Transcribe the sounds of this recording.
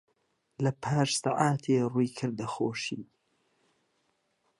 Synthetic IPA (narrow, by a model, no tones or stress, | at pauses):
lɐpʰaːʃsaʕaːt̪ʰeːruːkʰɨɾd̪ɐxoːʃiː